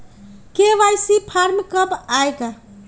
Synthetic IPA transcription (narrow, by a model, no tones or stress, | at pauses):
keʋajsipʰaɾmkəpajɡa